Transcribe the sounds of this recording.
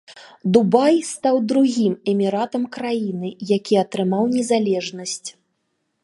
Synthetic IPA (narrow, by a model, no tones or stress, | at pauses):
d̪ubajst̪awd̪ɾuɣʲimɛmʲiɾat̪ɐmkɾajinɨjakʲiɐt̪ɾɨmawnʲɛzalʲɛʐnɐsʲt͡sʲ